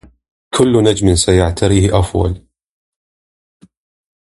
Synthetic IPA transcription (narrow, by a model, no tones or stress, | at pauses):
kʰʊlːnad͡ʒmɪnsajaʕt̪ʰaɾiːhʔafwa̰l